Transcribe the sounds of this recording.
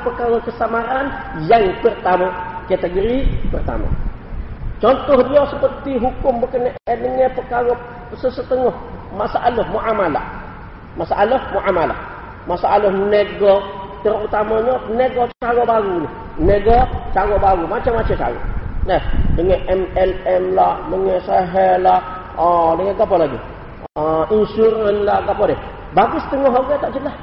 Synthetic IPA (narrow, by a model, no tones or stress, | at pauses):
pəkaɡokəsamaɾanjaŋpərt̪amaket̪əɡɾipərt̪a̰ma̰ | t͡ʃɔnt̪ɔhdijosəpərt̪iɦukumbəkəneedəŋepəkaɡɔ | səsət̪əŋɔh | masaʔalohmoʔamala̰ | masa̰ʔalohmuʔamala̰ | masaʔalohneɡo | təɾutamaɲoneɡot͡ʃaɡobaɡuni | neɡot͡ʃaɡobaɡumat͡ʃemat͡ʃet͡ʃa̰ɡo̰nesdiŋeʔɛmɛlɛmlaməŋesaɦela | diŋeɡapolaɡi | insuɾanlaɡapode | baɡistəŋoɦaɡetat͡ʃila